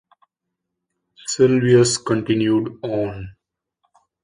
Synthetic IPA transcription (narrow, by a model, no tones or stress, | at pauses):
sɪlʋiəskə̃ɳʈɪ̃njuːɖɔ̃ːn